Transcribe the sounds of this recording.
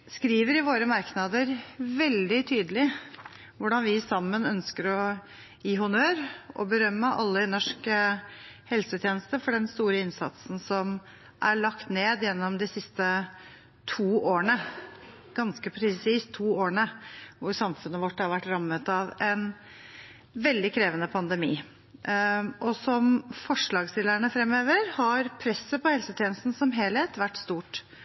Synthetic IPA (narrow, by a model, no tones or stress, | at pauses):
skɾiːʋəɾɪʋoːɾəmɑɾknɑd̪əɾʋɛld̪ɪt̪ʰyːd̪əlɪ | ʋʊɖɑnʋɪsɑmːənœnskəɾɔ | jiːɦʊnøːɾʔɔ̰bəɾœmːəʔɑ̰lːəɪnɔʂkə | hɛlsət̪ʰjeːnəst̪əfɔɖɛnst̪uːɾəɪnsɑ̰t̪sn̩sɔm | ʔæɭɑkt̪neːd̪jɛnːɔmd̪ɪsɪst̪ə | t̪ʰuːoːəɳə | ɡ̥ɑnskəpʰɾɛsiːst̪ʰːuːoːɳəʋʊɾsɑmfʉnːəʋɔʈːhɑɾʋæʈːɾɑmːət̪ɑʋɛn | ʋɛld̪ɪkʰɾeːʋənəpʰɑnd̪əmḭː | ʔɔsɔmfɔʂɭɑːɡst̪ɪlːəɳəfɾɛmːøːʋəɾhɑɾpʰɾɛsːəpʰɔhɛlsət̪ʰjeːnəst̪n̩sɔmɦeːlheːt̪ʋæʈːst̪uːʈ